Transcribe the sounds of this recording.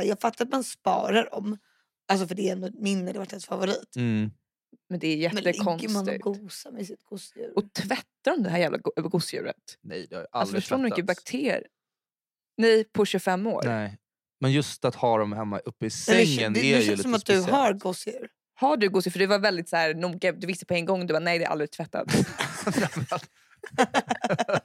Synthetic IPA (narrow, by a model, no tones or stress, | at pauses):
jɑːɡfat̪ːaɾat̪manspɑ̰ːɾaɖɔm | als̬ɔfœɖɛɛnd̪ɔmɪnːɛd̪vaʈːɛt̪favʊɾiːt̪ | mɛnd̪ɛːɾjɛt̪ːəkʰɔnsnɪ̰ɡuːsamɛsɪt̪ɡ̥ʊsjʉ̰ɾɔt̪ʰvɛt̪ːaɾɔmnd̪ɛhɦæːɾjæːvla̰ɡʊsjʉ̰ːɾə̰t̪nɛ̰jd̪ɛha̰jʔaalsɔfœʂʈ̪uːɖd̪nɪkːbakt̪ʰeː | nɛjpʰɔɕɵfɛmːo̰ːɾɛ | mɛnjɵst̪at̪hɑːd̪ɔmhɛmːa̰ʔɵpːəɪsɛɛŋːənælsɔmat̪̚d̪ɵɦaɾɡʊsjʉɾ | haɖɵɡʊːsjɪɾfœɖɛvavɛld̪ɪt̪sæːɾnuːɡad̪ɵvɪst̪əpʰɔɛŋːɡɔŋːd̪ɵbaːnɛjd̪ɛːɾa̰ld̪ɾɪt̪ʰvɛt̪ːa̰t̪